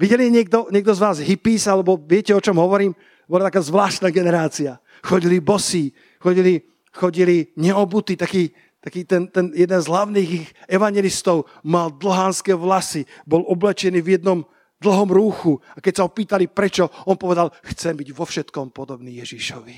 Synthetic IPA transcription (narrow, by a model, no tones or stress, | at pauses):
ʋiɟɛliɛɲɪɛɡ̚d̪ɔɲɛɡ̚d̪ɔzʋaːzɦipiːsalɛbɔʋɪɛcɛɔt͡ʃɔmɦɔʋɔɾiːm | bɔlat̪akaːzʋlaːʃt̪naːɡɛnɛɾaːt͡sia | xɔɟilibɔsi | xɔɟili | xɔɟiliɲɛɔbut̪it̪akiː | t̪akiːt̪ɛnt̪ɛnjɛd̪ɛnzɦlaʊniːɣixɛʋaɲjɛlist̪ɔʊ | mald̪l̩ɦaːnskɛːʋlasibɔlɔblɛt͡ʃɛniːvjɛd̪̚nɔm | d̪l̩ˠɦɔmɾuːxuakɛcsaɦɔpiːt̪alipɾɛt͡ʃɔɔnpɔʋɛd̪alxt͡sɛmbiɟʋɔfʃɛt̪kɔmpɔd̪ɔbniːjɛʒiʃɔʋi